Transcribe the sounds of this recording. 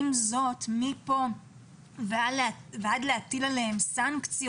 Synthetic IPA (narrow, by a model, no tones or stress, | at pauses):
mzo̞t̪mipo̞ | vvead̪leatilalehemsaŋkt͡sij